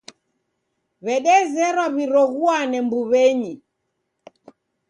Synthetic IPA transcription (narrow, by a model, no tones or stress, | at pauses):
βɛɗɛzɛɾwaβiɾɔɣuanɛmbuβɛɲi